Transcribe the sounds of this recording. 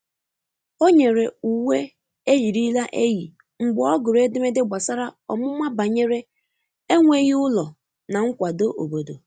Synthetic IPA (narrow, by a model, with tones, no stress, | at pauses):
o˦ɲe˨ɾe˨u˨we˦ | e˦ji˨ɾi˦la˦ʔe˦ɣi˨ | ŋ͡m̩˨ɡ͡bʊ˨˦ɔ˦ɡʊ˨ɾe˦dɪ˦me˦dɪ˦ɡ͡ba˨sa˦ɾa˦ɔ̰˨mʊ˦ma˦ba˨ɲe˦ɾe˦ | e˦ŋʷe˦ɣi˦ʊ˦lɔ˨ | na˨ŋ̩˦kʷa˨do˦ʔo̰˨bo˨do˨